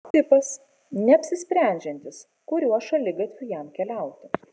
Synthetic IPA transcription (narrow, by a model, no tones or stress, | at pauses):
t̪ʲɪpɐs | nʲɛɐpʲsʲɪsʲpʲɾʲæˑnʲd͡ʒʲɛnʲt̪ʲɪs | kʊɾʲuɔʃɐlʲɪɡɐt̪ʲʋʲʊjɛmkʲɛlʲɛˑʊt̪ʲɪ